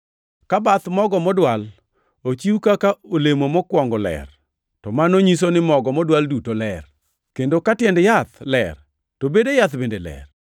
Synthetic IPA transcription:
kabat̪mɔɡɔmɔdwal | ot͡ʃiukakaolemomɔkwɔŋɡɔlɛ̰r | tɔmanoɲis̬onɪmɔɡɔmɔdwaldutolɛr | kendokatjɛndjat̪lɛr | tobedejat̪bendelɛ̰r

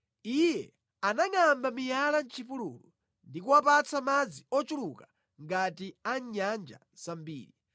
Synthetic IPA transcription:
ijɛ | anaŋambamijalant͡ʃʰipulṵlu | ndikuwapat͡sʰamad͡ziɔt͡ʃulukḁ | ŋɡatiaɲand͡ʒa̰ | z̥ambḭːɾi

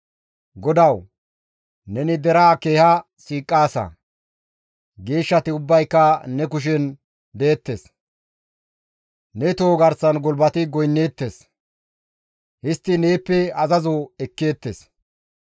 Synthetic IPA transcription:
ɡɔd̪ɐw | nɛnɪd̪ɛɾaːke̞ːhɐ | siːkʼːaːsɐ̰ | ɡe̞ːʃːɐt̪ɪʊbːɐjkːɐnɛkʊʃ̬ɛn | d̪eːt̪ːes | nɛt̪oːɡɐɾsɐnɡɔlbɐt̪ɪɡɔjnːe̞ːt̪ːes | hɪst̪ːɪneːpːɛɐzɐzoɛkːe̞ːt̪ːes

